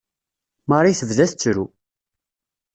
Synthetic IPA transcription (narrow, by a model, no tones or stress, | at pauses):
mɑɾˤiθəvðæθt͡sːɾu